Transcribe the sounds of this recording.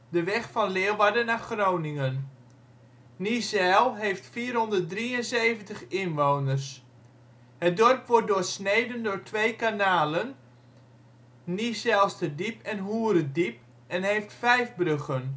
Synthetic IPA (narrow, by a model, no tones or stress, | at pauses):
dəʋɛχfɑnlɪːlˠʋadənaːχroːwnɪŋən | nisɛlˠɦejftfiːrɦɔndərt̚driənsejvəntəχɪnʋownərs | hət̚dɔrpʋɔt̚dʊːrsnejdəndʊːrɹtʋejkanaːlən | nisɛlˠstədipɛnɦuːəɾədip̚ | ɛnɦejftfɛjfbrøχən